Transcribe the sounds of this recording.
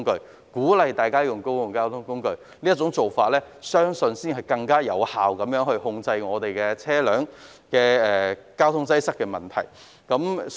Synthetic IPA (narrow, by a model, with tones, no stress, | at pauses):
ŋkɵ˧ɥ | kuː˨˥lɐ˨jt̪aː˨˩jkaː˥jʊ˨˩ŋko˥wjʊ˨ŋkaː˥wt̪ʰʊ˥ŋkʊ˥ŋkɵ˧ɥ | liː˥ɐ˥t͡sʊ˨˥ŋt͡so˨˩wfaː˧t̚lɛː˥ | sœː˥ŋsɵ˧nsiː˥nhɐ˨˩jkɐ˧ŋkaː˥jɐ̰˨˧whaː˨wkɐ˨˥mjœː˨˥ŋhɵ˧ɥhʊ˧ŋt͡sɐ˧jŋɔː˨˧t̪e˨jkɛː˧t͡sʰɛː˥lœː˨˥ŋ | kɛː˧ɛː˨˩kaː˥wt̪ʰʊ˥ŋt͡sɐ˥jsɐ˥kːɛː˧mɐ˨˩nt̪ʰɐ̰˨˩j | kɐ˨˥m